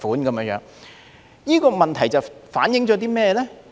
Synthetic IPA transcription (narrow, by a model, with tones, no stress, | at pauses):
fuː˨˥nkɐ˨˧mː˥˧˥jœ̰ː˨˧˥ŋ | jiː˥kɔː˧mɐ˨nt̪ʰɐ˨˩jt͡sɐ˨˩wfaː˨˥njɪ˨˥ŋt͡ʃɔː˨˥t̪̬iː˥mɛː˥˧lɛː˥